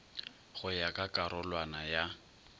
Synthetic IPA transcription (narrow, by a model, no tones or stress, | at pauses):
ɣʊjakʼakʼaɾʊlwanaja